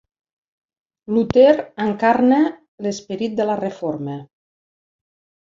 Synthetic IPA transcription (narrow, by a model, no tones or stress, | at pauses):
lut̪eɾəŋkaɾnə | lespeɾit̪̚d̪ələrefoɾmə